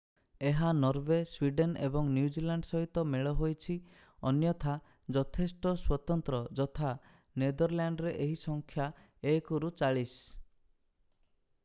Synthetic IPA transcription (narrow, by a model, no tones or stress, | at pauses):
eɦanɔɾbeswiɖenḛbɔŋnjud͡ʒilaɳɖsɔɦit̪ɔmeɭɔɦojt͡ʃʰi | ɔnjɔt̪ʰa | d͡ʒɔt̪ʰesʈɔswɔt̪ɔnt̪ɾɔd͡ʒɔt̪ʰa | ned̪ɔɾljaɳɖɾeʔeɦisɔŋkʰja | ekuɾut͡ʃaɭis